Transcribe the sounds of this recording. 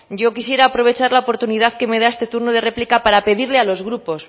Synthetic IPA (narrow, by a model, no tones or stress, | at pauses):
ɟ͡ʝo̞kisje̞ɾaːpɾo̞β̞e̞t͡ʃaɾlaopo̞ɾt̪uniðaðke̞me̞ð̞aest̪e̞t̪uɾnoð̞e̞re̞plikapaɾape̞ðiɾle̞alo̞zɣɾupo̞s